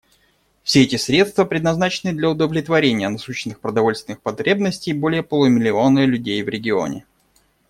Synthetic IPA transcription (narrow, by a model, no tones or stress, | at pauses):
fsʲeɛtʲɪsɾʲe̞t̪st̪vəpɾʲɪd̪nɐznat͡ɕɪnɨd̪lʲɐʊd̪əvlʲɪt̪vɐɾʲenʲɪjənɐsuɕɪnːɨxpɾəd̪ɐvo̞lʲst̪vʲɪnɨxpɐt̪ɾʲe̞bnəsʲtʲɪjbo̞lʲɪjəpəlˠʊmʲɪlʲɪo̞nəlʲʉdʲejvɾʲɪɡʲɪo̞̰nʲɪ̰